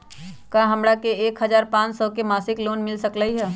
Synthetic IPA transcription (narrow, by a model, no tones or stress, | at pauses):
kaɦəmɾakeeːkɦəd͡ʒaːɾpãːt͡ʃsɔkemaːsɪkloːnmɪlsəkləiɦɛ